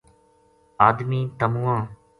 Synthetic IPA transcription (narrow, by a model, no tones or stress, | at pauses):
aːd̪miːt̪əmũːãː